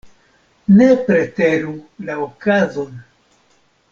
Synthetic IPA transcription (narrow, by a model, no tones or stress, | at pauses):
ne̞pɾe̞teɾulaokazo̞n